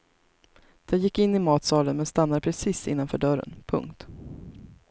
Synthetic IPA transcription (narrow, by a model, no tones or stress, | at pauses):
d̪̥ɛjɪkːɪnːɪmɑːt̪sɑːlənmɛnst̪an̪ːad̪əpʰɾɛsiːsɪ̰nːanfœ̰ːɖœɾə̰npʰɵ̰ŋkt̪